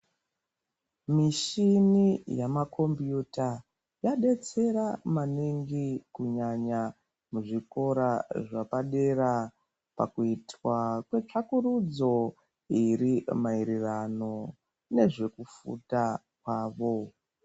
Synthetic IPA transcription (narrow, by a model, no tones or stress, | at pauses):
miʃinijamakʰo̞mbjuta | jaɗe̞t͡se̞ɾamaniŋɡikuɲaɲa | muʐiko̞ɾaʐapaɗe̞ɾa | pa̰kuitwakwe̞t͡ʂakuɾud͡zo̞ | iɾimaiɾirano̞ | ne̞ʐe̞kufṵta | kwaːʋo̞